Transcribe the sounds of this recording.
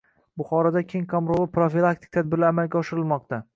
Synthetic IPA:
bʊχɒɾɒd̪akʲʰeŋkʰomɾolˠɪpɾofilˠak̚t̪ʰɪ̥k̚ʲt̪ʰad̪̚bɪɾlaːmalɡʲaɒʃɪɾɪlˠmɒq̚t̪a

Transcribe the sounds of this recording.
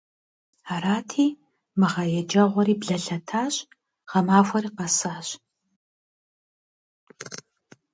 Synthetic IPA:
aːɾaːtʰiː | mɨʁɐjɛd͡ʒɐʁʷɔɾiːbɮɐɬɐtʰaːɕ | ʁ̥ɐmaːxʷɐriːqɐsaːɕ

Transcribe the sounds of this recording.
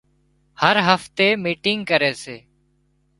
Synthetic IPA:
həɾɦəft̪eːmiːʈɪŋɡkəɾeːseː

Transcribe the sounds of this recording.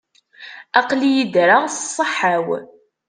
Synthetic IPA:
ɑqlijid̪ɾassˤːəħaw

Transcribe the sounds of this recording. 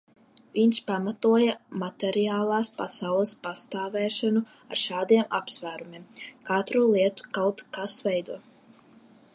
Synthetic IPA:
viɲʃpamat̪uɔjamat̪ɛɾiaːlˠaːspa̰sawlˠəspast̪aːvɛːʃanu | a̰ɾʃaːd̪iɛmapsvæːɾumʲiɛmkat̪ɾulˠiɛt̪u̥kawt̪kasvɛjd̪uɔ

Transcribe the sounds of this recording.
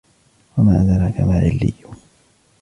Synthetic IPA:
wamaːʔaðaɾakamaːʕɪ̰lːɪ̰jːʊ

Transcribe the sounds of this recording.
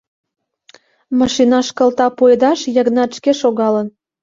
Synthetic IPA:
mɑʃinɑʃkə̆lt̪ɑpojd̪ɑʃjə̆ɣnɑt̪ʃkeʃoɣɑlən

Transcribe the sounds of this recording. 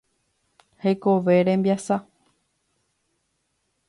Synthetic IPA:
hekoʋe̞ɾẽ̞mbjasa

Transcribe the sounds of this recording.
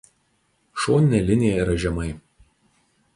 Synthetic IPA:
ʃoːnʲɪnʲɛlʲɪnʲɪjɛɪɾɐʒʲɛmɐɪ

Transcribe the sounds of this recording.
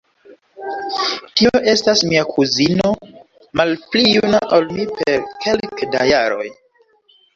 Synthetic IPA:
tio̞ʔe̞stasmiakʰuzino̞ | malplijunaʔolmipeɾkʰe̞lkdajaɾo̞̰j

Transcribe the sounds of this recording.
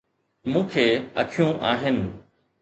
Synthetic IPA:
mũːkʰeːɐ̰kʰijũʔaːɦɪnɪ̆

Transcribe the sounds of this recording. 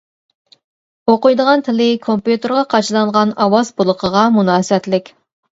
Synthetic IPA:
oqʊjd̪əʁɑnt̪ʰɪlɪkʰompjut̪eɾʁɑqʰɑt͡ʃʰilˠɑɴʁɑnɑwɑzbulˠʊqʰəʁɑmunɑːsɨɛt̪lɪkʲ

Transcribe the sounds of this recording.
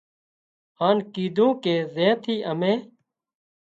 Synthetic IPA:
haːnkiːd̪ʱũːkeːzẽːt̪ʰiːʔəmẽː

